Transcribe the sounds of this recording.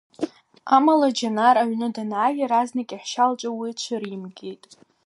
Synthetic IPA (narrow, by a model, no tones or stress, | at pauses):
amalad͡ʒanaɾaʕʷnɨdanaːjaɾaznakʲʼiħʃalt͡ʃʷʼawit͡ʃʷʰaɾimɡʲe̞jtʼ